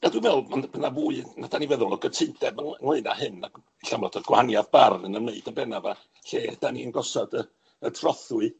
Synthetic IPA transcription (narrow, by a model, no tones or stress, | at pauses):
adwɨvɛlˠmanbʰənavuːɨnadanivɛðʊlˠɔɡətʰɪndɛbənənwɪɨna̰hɨnːa | iɬamlɔtʰɔɡwaanjaðbarnənəmeɨdabɛnava | ɬeːd̥aniənɡɔsɔdə | ətʰrɔθʊɨ